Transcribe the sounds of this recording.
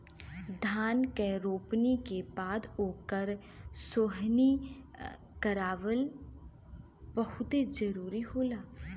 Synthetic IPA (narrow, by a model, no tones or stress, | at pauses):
d̪ʱaːnkeɾoːpnikebaːd̪oːkəɾ | soːɦni | kəɾaːʋəl | bəɦʊt̪ed͡ʒəɾuːɾiɦoːlaː